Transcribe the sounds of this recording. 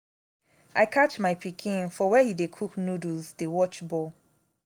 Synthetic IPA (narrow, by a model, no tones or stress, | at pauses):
ʔaɪkʰat͡ʃmaɪpikʰĩnfɔwɛhidekʰuknuduzdewɔt͡ʃbɔ